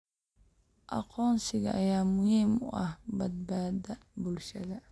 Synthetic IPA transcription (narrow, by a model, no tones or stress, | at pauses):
ʔɑ̰qɔːnsɪɣɐʔːjaːmʊhiːmʊ̰ʔɐhbɐd̪̚baːd̪ɐbʊlʃɐðɐ